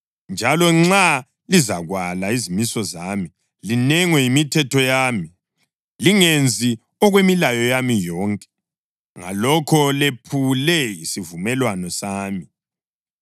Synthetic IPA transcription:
nd͡ʒʱalɔŋ͡ǁa | lizaɣwalaizimisɔzami | linɛŋwɛimitʰɛtʰɔjaːmi | liŋend͡zʱi | ɔɣwemilajɔjamijɔːŋkʼɛ̥ | ŋa̰lɔkʰɔlepʰulɛisivumɛlwanɔsaːmi

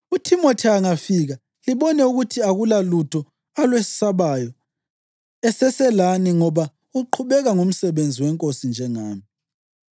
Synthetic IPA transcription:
utʰimotʰiaŋafiɣa | liβɔnɛuɣutʰiaɣulalutʰɔ | alwesi̥saβajɔ | ɛsɛsɛlaniŋɔβa | uǃʰuβɛɣaŋum̩sɛβend͡zʱiwɛŋkʼosind͡ʒʱɛŋaːmi

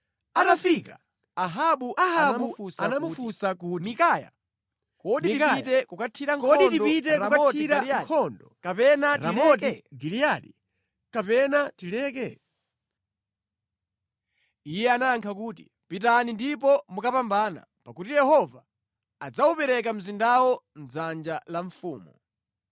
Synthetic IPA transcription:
anafika̰ | aɦaɓuʔaaɓuusanamufusakutmikaja̰ | kɔɗiikaitɛkukatʰiɾaŋkʰɔintidpit̬ɛɾaukaiɾaakʰɔndɔkapɛnaɾimɛtɛɡilijaɗi | kapɛnatilɛkɛ | ijɛanaŋkʰakuːti | pitanindipɔmukapambaːna̰ | pakutijɛhɔva | ad͡zaupɛɾɛk̬am̩zindawɔnd͡zand͡ʒalaɱfṵːmu

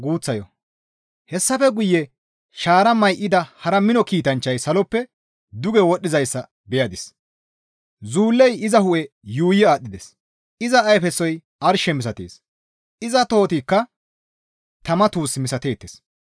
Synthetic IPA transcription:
ɡuːt͡sːɐjɔ | hɛsːɐfɛɡʊjːɛ | ʃaːɾɐmɐjʔɪd̪ɐhɐɾɐmɪnɔkiːt̪ɐnt͡ʃːɐjsɐlɔpːɛ | d̪ʊɡɛwɔɗɪzɐjsːɐ | bɛjɐd̪ɪs | zuːlːɛjɪzɐhʊʔɛ | juːjɪaːɗːɪd̪ɛs | ʔɪzɐːjfɛsːɔj | ʔɐɾʃɛmɪs̬ɐt̪ḛːs | ɪzɐt̪o̞ːt̪ikːɐ | t̪ɐmɐt̪uːsmɪsɐt̪e̞ːt̪ːɪs

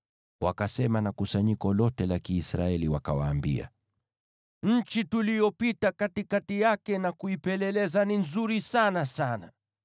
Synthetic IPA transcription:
wakasɛmanakusaɲikɔlɔtɛlakiːsɾa̰ɛliwakawaːmbḭa̰ | ɲ̩t͡ʃitulijɔpitakatikatijakɛnakuipɛlɛlɛzaninzuɾisanasana

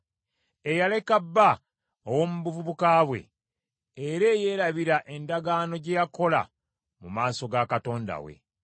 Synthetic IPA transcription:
e̞jale̞kabːa | owo̞ːmuβuvuβukaːβwe̞̰ | eɾe̞ːje̞ːɾaβiɾaʔe̞ndaɡaːno̞ɟejako̞la̰ | mumaːso̞ɡakato̞ːnda̰wḛ

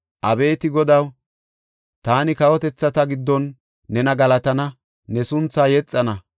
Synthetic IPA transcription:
ʔɐbe̞ːt̪ɪɡɔd̪ɐw | t̪aːnɪkɐwɔt̪ɛt͡sːɐt̪ɐɡɪd̪ːɔnː | ɛnɐɡɐlɐt̪ɐnɐ | nɛsʊnt͡sːaːjɛt͡sʼːɐnɐ

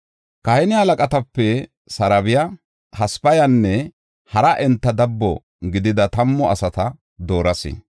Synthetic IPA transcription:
kɐhɛnɪhɐlɐkʼɐt̪ɐpːɛ | sɐɾɐbɪjɐ | hɐspɐjɐnːɛ | hɐɾɐʔɛnt̪ːɐd̪ɐbːɔ | ɡɪd̪ɪd̪ɐt̪ɐmːɔɐsɐt̪ɐ | d̪o̞ːɾɐsɪ̰

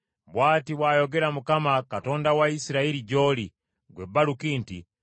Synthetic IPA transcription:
bwaːtiβwaːjoɡeɾamukamakato̞ndawaisiɾaiɾiɟoli | ɡwebːalukiːntḭ

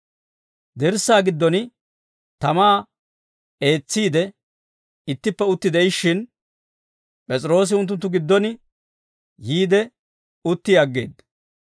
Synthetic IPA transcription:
d̪ɛɾsːaːɡɪd̪ːɔnɪ | t̪ɐmaː | e̞ːt͡sːiːd̪ɛ | ɪt̪ːɪpːɛʊt̪ːɪd̪ɛɪʃːɪn | pʼɛt͡sʼɪɾo̞ːs̬ɪʊnt̪ːʊnt̪ːʊɡɪd̪ːɔnɪ | jiːd̪ɛ | ʊt̪ːɪɐɡːe̞̰ːd̪ɐ

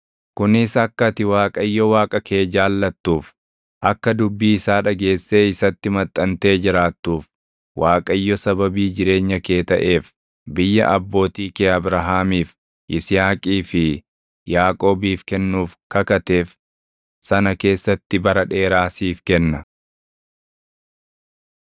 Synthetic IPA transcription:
kʊnɪsɐkːɐt̪ɪwaːkʼɐjːɔwaːkʼɐke̞ːd͡ʒaːlːɐt̪ːuːf | ʔɐkːɐd̪ʊbːiːɪsaːᶑɐɡe̞ːsːe̞ːɪsɐt̪ːɪmɐt̪ʼːɐnt̪e̞ːd͡ʒɪɾaːt̪ːuːf | wʔaːkʼɐjːɔsɐbɐbiːd͡ʒɪɾe̞ːɲːɐke̞ːt̪ɐʔe̞ːf | bɪjːɐ̰ʔɐbːo̞ːt̪iːkeːɐbɾɐɦaːmiːf | ʔɪsɪjaːkʼiːfɪ | jaːkʼo̞ːbiːfkɛnːuːfkɐkɐt̪e̞ːf | sɐnɐke̞ːsːɐt̪ːɪbɐɾɐᶑe̞ːɾaːsiːfkɛnːɐ

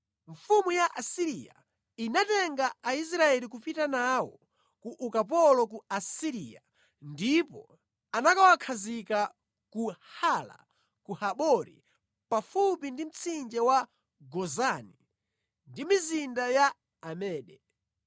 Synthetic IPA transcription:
ɱfumujaʔasiɾija̰ | inatɛŋɡaais̬ɾaɛlikupitanawɔ | kuʔukap̬ɔlɔk̬uasiɾija | ndipɔ | anakawakʰazika | kuhala̰ | kuhaɓɔɾḭ | pafupindim̩t͡sʰind͡ʒɛwa | ɡɔzani | ndimizindajaː | mɛːɗɛ

